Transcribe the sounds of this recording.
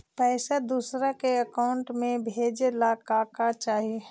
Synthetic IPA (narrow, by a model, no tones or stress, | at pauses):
pɛːsad̪uːsɾakeəkaʊɳʈmẽbʱeːd͡ʒlakaːkat͡ʃaːɦie